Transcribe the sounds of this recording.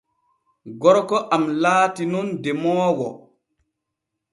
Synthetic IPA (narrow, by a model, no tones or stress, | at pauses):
ɡɔɾɔkɔʔamlaːtinundɛmɔːwɔ